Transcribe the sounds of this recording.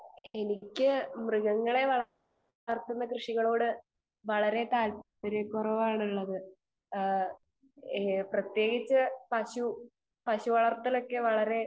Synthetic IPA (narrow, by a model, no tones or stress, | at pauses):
e̞nikʲːɨmrɨɣɐŋːɐɭe̞ʋɐɭ | rt̪ːunːɐkrɨʂiɣɐɭoːɽɨ | ʋɐɭɐɾe̞t̪aːlp | ɐɾekurɐʋaːjɽuɭːɐðɨ | prɐt̪je̞ːɡit͡ɕːɨpɐɕu | pɐɕuʋɐɭɐrt̪ːɐlo̞kːe̞ʋɐɭɐɾe̞